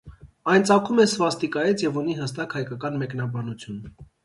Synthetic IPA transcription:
ɑjnt͡sɑkʰumɛsvɑst̪ikɑjɛt͡sʰjɛvuniɦəst̪ɑkhɑjkɑkɑnmɛknɑbɑnut͡sʰjun

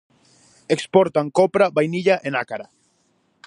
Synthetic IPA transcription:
ekspɔɾt̪aŋkopɾaβajniʎaʔenakaɾa

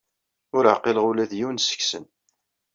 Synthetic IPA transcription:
ʊɾəʕqeləʁʊlæðjiwnsə̥çsə̰n

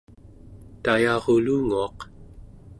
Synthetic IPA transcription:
t̪ajɑʁoluːŋuɑq

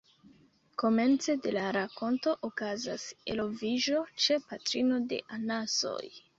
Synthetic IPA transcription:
ko̞me̞nt͡se̞de̞laɾako̞nto̞ʔokazase̞lo̞viʒo̞t͡ʃe̞patɾino̞de̞̰ʔanaso̞̰j

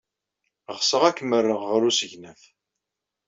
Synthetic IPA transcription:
ʁsəʁækːəmərːəʁʁəɾusəʝnæθ

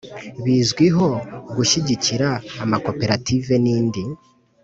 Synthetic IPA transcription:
βiːzɡwiɦo̞ɡuʃiɟiciɾaːmako̞pe̞ɾatʰive̞niːndi

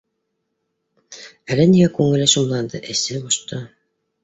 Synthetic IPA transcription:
ælɘniɡækʉŋɘ̆lɘʃŭmlˠɑnd̪ɤʔɘ̆sɘboʃt̪ɤ

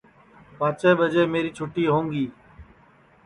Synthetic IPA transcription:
paːt͡ʃeːɓəd͡ʒeːmeːɾiːt͡ʃʰʊʈiːɦõːŋɡiː

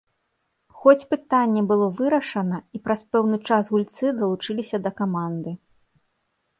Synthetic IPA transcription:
xɔt͡sʲpɨt̪anʲːɛbɨlˠɔvɨɾɐʂɐnɐipɾɐspɛwnɨt͡ʂasɣulʲt̪sɨd̪ɐlˠut͡ʂɨlʲisʲɐd̪ɐkamand̪ɨ

